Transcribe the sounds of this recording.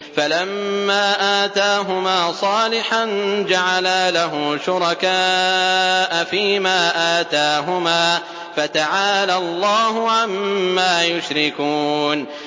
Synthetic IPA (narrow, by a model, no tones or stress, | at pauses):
falamːaːʔaːt̪aːɦʊmaːsˤɑːlɪħand͡ʒaʕalaːlaɦʊʃʊɾˤɑkaː | ʔafiːmaːʔaːt̪aːɦʊmaː | fat̪aʕaːlalˤːɑːɦʊʕamːaːjʊʃɾɪkuːn